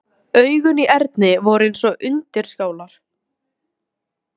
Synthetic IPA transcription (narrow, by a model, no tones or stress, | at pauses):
œɥɣʏniʔɛɾt̪nɪvɔɾʏejnsɔɣʔʏnt̪ɪɾ̥scaːwlaɾ̥